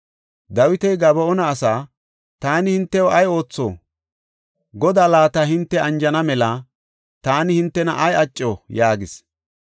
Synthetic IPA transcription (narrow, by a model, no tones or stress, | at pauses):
d̪ɐwɪt̪ɛjɡɐbɔɔnɐːsaː | t̪aːnɪhɪnt̪ːɛwɔɐjo̞ːt͡sːo̰ː | ɡɔd̪aːlaːt̪ɐhɪnt̪ːɛɐnd͡ʒɐnɐmɛlɐ | t̪aːnɪhɪnt̪ːɛnɐʔɐjɐt͡ʃʼːojaːɡɪs